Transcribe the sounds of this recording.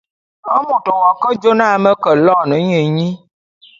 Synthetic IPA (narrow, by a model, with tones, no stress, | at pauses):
ə˦mu˨tɔ˨wɔ˨kə˦d͡ʒo˦na˦mə˦kə˨lɔ˦˨nə˨˦ɲə˨˦ɲi˦